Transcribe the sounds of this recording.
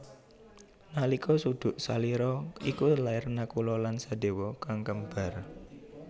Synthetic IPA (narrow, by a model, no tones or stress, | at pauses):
nalikʰɔsud̪̥ʊ̤ʔsaliɾɔikulairnakulɔlansad̪e̤wɔkaŋkəmb̥a̤r